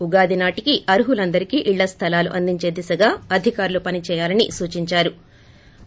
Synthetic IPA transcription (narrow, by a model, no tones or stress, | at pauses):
uɡaːd̪inaːʈikiʔɐɾuɦulɐnd̪ɐɾikiːʔiɭːɐst̪ʰɐlaːluʔɐnd̪iɲt͡ʃe̞ːd̪isɐɡaːɐd̪ʱikaːɾulupɐnit͡ʃɛːjaːlɐnḭsuːt͡ʃiɲt͡ʃaːɾu